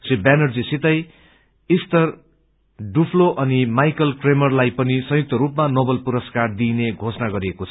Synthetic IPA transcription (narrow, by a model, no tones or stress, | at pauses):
ribanʌrd͡zisit̪ʌj | ist̪ʌr | ɖupʰloʔʌnimajkʌlkremʌrlajpʌnisʌ̃juk̚t̪ʌɾupmanobʌlpuɾʌskard̪ineɡʱosʌnaɡʌɾiekot͡sʰʌ